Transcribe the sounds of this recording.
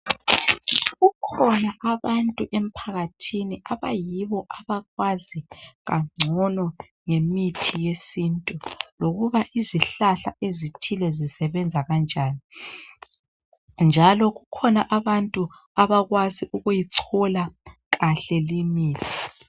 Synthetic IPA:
ɣukʰɔnaʔaβantʼuʔem̩pʰaɣatʰiniʔaβajiβɔʔaβaɣwaziɣaŋ͡ǀʱɔnɔ | ŋemitʰijesintʼuloɣuβaʔiziɬaɬa̰ezitʰilɛzisɛβɛnd͡zʱaɣand͡ʒʱaːni | nd͡ʒʱalɔɣukʰɔnaʔaβantʼu | aβaɣwaziʔuɣujiǀʰɔla | ɣaɬɛlimiːtʰi̥

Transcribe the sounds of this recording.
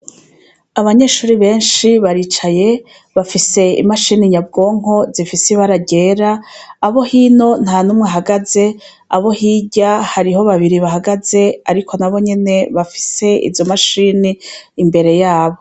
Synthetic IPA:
aβaɲe̞ːʃuːɾiβe̞ːnʃiβaɾiːt͡ʃaje̞ | βafise̞ḭmaʃiːniɲabɡo̞ːŋ̥o̞zifiseβaɾaɟe̞ːɾaːβo̞hiːno̞n̥haːnuːmŋaɦaɡaze̞ | aβo̞hiːɟahaɾiɦo̞βaβiɾiβaɦaɡaze̞a̰ɾikʰo̞naβo̞ɲe̞ne̞βafi̥se̞ḭvjo̞maʃiːniːmbe̞ɾe̞jaːβo̞

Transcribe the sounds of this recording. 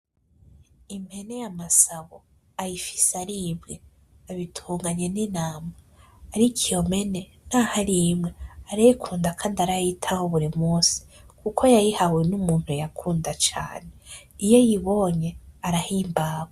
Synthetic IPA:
im̥he̞nejamasaβo | ajifi̥saɾimɡe | aβitʰuːŋɡaɲe̞ninaːmaː | ɾikʰio̞me̞ne̞ | n̥ahaɾimŋe̞aɾajikʰuːndakʰaːndaɾajitʰahoβuɾimuːsi̥kukʰo̞jajihawenumuːnhuejakʰuːndat͡ʃa̰ːne | ijo̞jiβo̞ɲe̞aɾahiːmbaːβo

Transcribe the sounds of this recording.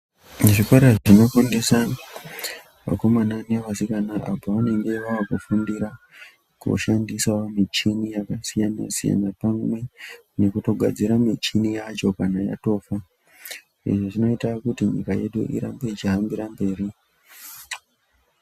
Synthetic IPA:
ʐikwaɾaʐʐino̞fonde̞sa | ʋa̰ko̞mananeʋasikanaʔapoʋane̞ŋɡe̞ʋaʋakufundiɾa | kṵʃandisaomit͡ʃinijakasijana̰sija̰napamwe̞ | ne̞kuto̞ɡʱa̰d͡ziɾamit͡ʃinijat͡ʃo̞kanaja̰to̞ːfa | iʐoʐino̞itakutiɲḭkaje̞̰ɗṵʔḭɾa̰mboit͡ʃiɦambiɾambe̞ːɾi

